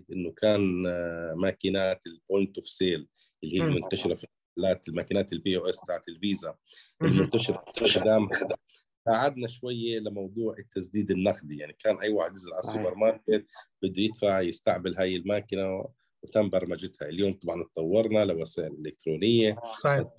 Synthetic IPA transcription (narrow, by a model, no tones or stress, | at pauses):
d̪ʔɪnːʊkʰaːn | maːkɪnaːt̪ɪlboːnt̪ʊfseːl | ʔɪlːihiːlmʊnt̪aʃɪɾˤafi | alaːt̪ɪlmaːkinaːt̪ɪlbiːwɪsd̪aʕt̪ɪlviːzaʔɪlmʊnt̪aʃɪɾˤfɪʃd̪aːmad̪a | saːʕad̪naʃwajːelɪmɑwd̪ˤuːʕɪt̪ʰːasd̪iːd̪ɪnːaxd̪ijaʕnikaːnʔajːwaːħɪd̪ɪzɪlʕasuːbeɾˤmɑːɾˤkɪt̪̚b̥ɪd̪ːujɪt̪faʕjɪst̪aʕbɪlɦaːjɪlmaːkɪna | wɪt̪ambɑɾˤmad͡ʒɪt̪haɪljoːmt̪ˤɑbʕɑnt̪̚ˤːɑwːɑɾˤnalɪwasaːʔɪlʔɪlɪk̚t̪ɾoːnɪjːa